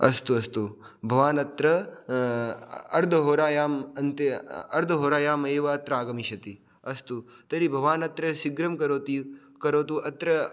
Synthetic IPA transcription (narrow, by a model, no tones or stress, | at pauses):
ɐst̪uɐst̪u | bʱɐʋaːnɐt̪ɾɐ | ɐɾd̪ʱɐɦoːɾaːjaːmɐnt̪ɐɐ̰ɾd̪ʱɐɦoːɾaːjaːmeːʋɐɐt̪ɾaːɡɐmiʃɐt̪i | ɐst̪ut̪ɐɾibʱɐʋaːnɐt̪ɾɐʃiɡɾɐmkɐɾoːt̪i | kɐɾoːt̪̬uɐt̪ɾɐ